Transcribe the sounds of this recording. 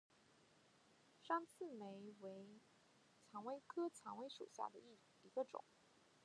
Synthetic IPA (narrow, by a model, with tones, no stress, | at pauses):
ʂɑ˥ŋt͡sʰɹ̩˥˩me˧˥ɪwe˧˥ɪ | t͡sʰɑ˧˥ŋwe˥ɪkʰɤ˥t͡sʰɑ˧˥ŋwe˧˥ɪʂṵ˨˩ɕja̰˥˩d̪ə˩ | i˧˥ɡə˧ʈ͡ʂʊ̰˨˩˦ŋ